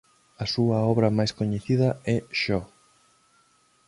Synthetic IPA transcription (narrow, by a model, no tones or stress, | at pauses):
ɐsuɐɔβɾɐmajskoɲeθiðɐɛʃɔ